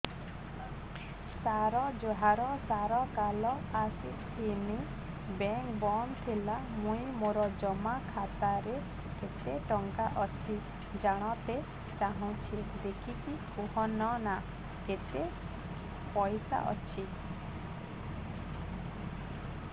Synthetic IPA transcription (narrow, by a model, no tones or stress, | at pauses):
saɾɔd͡ʒoɦaɾɔsaɾɔkalɔasi | t̪ʰini | beŋkbɔnt̪ʰilamũĩmoɾɔd͡ʒɔmakʰat̪aɾe | ket̪eʈɔŋkaʔɔt͡ʃʰi | d͡ʒaɽ̃ɔt̪e | t͡ʃaɦũt͡ʃʰid̪ekʰiki | uɦɔnɔna | ket̪e | pɔjsa̰ʔɔ̰t͡ʃʰi